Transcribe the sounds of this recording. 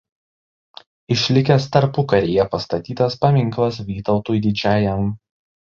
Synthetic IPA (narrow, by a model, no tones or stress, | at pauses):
ɪʃʲlʲɪkʲɛst̪ɐɾpʊkɐɾʲeːjɛpɐst̪ɐt̪ʲiːt̪ɐspɐmʲɪŋˑklˠɐsʋʲiːt̪ɒʊt̪uːjd̪ʲɪd͡ʒʲæːjɛm